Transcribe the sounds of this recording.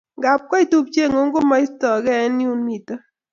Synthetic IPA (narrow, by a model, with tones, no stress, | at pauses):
ŋɡa˨p̚kɔ˦i˦tu˦p̚t͡ʃe˦˨ŋo˨˦ŋɡo˦mɔ˦i˦stɔ˨kɛ˦nju˦nmi˨tə˦